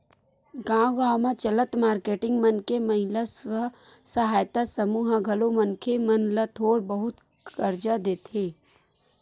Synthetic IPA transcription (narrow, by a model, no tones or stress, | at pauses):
ɡãːɡaːwmãt͡ʃələt̪maːɾkeːʈɪ̃ŋɡmənkeməɦɪlaswəɦ | sɐɦaːjt̪asəmuːɦaɡʱɐlomənkʰemɐnlat̪ʰoːɽbəɦʊt̪ | kəɾd͡ʒad̪eːt̪ʰeː